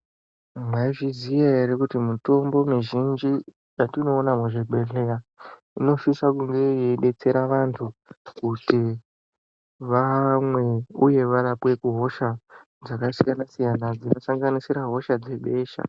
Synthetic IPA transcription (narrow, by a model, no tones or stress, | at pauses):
maiʐizijaeɾikutimuto̞mbo̞miʒind͡ʒi | jatino̞ːnamuʐiɡ͡bʱe̞ɮera | ino̞ʃisakuŋɡe̞jeɗe̞t͡se̞ɾaʋantʰukuti | ʋamwe̞uje̞ʋaɾapwe̞kuɦo̞ʃa | d͡zakasijanasijanad͡zino̞saŋɡanisiɾaɦo̞ʃad͡ze̞ɓe̞ːʃa̰